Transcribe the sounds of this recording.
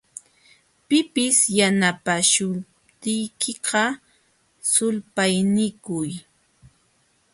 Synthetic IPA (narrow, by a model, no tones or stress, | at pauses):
pɪpɪsjanapaʃʊ | t̪ɪjkʰɪqɑ | sʊlpajnɪkʊj